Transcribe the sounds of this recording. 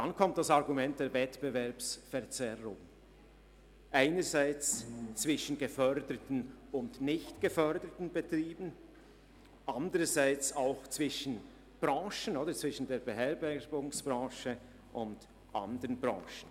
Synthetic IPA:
d̥ankʰɔmt̚d̥asaʁɡumɛnt̚d̥eːvɛtb̥əvɛɐpsfɛɐʁt͡sɛʁʊŋ | ʔaɪnəzaɪt͡st͡sv̥ɪʃən̩ɡəfœʁdətn̩ʊndnɪçtɡ̥əfœʁdətn̩bətʁ̥iːbn̩ | ʔandəʁəzaɪt͡saʊxt͡sv̥ɪʃən̩ | b̥ʁɑ̃ːʃənoːdət͡sv̥ɪʃn̩deːɐbeɦɛːɐbɛbʊŋsb̥ʁɑ̃ːʃə | ʔʊnd | ʔa̰ndəʁənbʁɑ̰̃ːʃən̩

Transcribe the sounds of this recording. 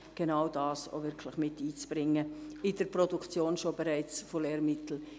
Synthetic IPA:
ɡ̥enaʊdaːso̰vɪɾkʰlɪχmɪtːiːt͡sb̥ɾɪŋːəɪdəɾprɔdukt͡sjoːnʃobɛɾɛɪt͡sfoleːɾmɪtl̩

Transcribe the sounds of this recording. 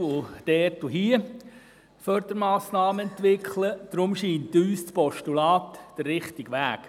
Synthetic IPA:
ʊd̥ɛːrtuɦiə | fœrɾd̪̥əɾmɑːsnɑːməɛntʋɪkχləd̥ɾʊmʃiːnt̪yːst͡spɔʃtulɑːt̪d̥əːɪχt̪ɪɡʋæːk

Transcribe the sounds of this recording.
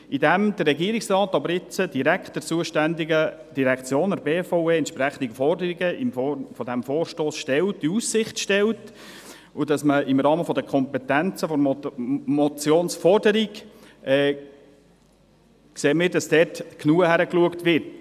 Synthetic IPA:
idæmd̥̪ərːɛɡiəɾiksrɑːtɑbəɾɪt͡səd̥iɾæktd̥ɛɾt͡suəʃtændiɡəd̥iɾɛkt͡sjoːnəɾbeːfɔʊeːɛntʃpɾæχən̩d̪iɡəfɔrdəɾiɡəɪmffɔd̪æmfoːrʃtoːsʃtɛltiussɪχtʃtɛlt | ʊdɑsməʔɪmɾɑːməfɔd̪əkʰɔmpɛtænt͡səfɔɾmmɔt͡sjoːnsfɔrdəɾikʔɛː | kseːmiːɾdɑsd̥ɛːtknuːəhæɾəkluəktvɪrt

